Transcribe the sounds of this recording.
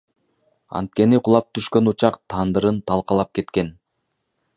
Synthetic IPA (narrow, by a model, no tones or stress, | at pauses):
ɑ̰nt̪̚ke̞niqʊlˠɑp̚t̪ʰyʃkø̞nut͡ʃɑqt̪ʰɑnd̪ɯɾɯnt̪ʰɑlˠqɑlˠɑp̚ke̞t̪ke̞n